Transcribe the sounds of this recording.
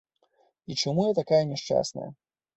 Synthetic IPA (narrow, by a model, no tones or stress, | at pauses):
it͡ʂamujat̪akajɐnʲɛʂt͡ʂa̰snɐ̰jɐ̰